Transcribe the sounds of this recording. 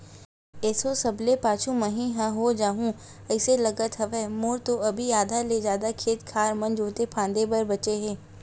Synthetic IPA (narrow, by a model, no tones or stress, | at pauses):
ɛːsosɐblepaːt͡ʃʰũmɐɦĩɦãɦod͡ʒaːɦũ | ɛɪselɐɡət̪ɦɐʋɛːmoːɾt̪oɐbʱiaːd̪ʱaled͡ʒjaːd̪akʰeːt̪kʰaːɾmɐ̃nd͡ʒoːt̪epʰãːnd̪ebɐɾbɐt͡ʃeɦɛ̃ː